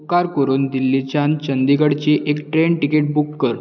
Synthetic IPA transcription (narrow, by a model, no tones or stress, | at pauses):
kːaɾkəɾuːnd̪ilːit͡ɕant͡ɕənd̪iɡəɽt͡ɕiʔekʈɾeɳʈikeʈ̚bukːəɾ